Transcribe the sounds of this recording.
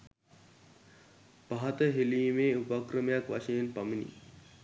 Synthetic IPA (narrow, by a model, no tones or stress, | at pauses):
baɦat̪əɦelimeupakɾəmjakʋaʃɐjenpɐminḭ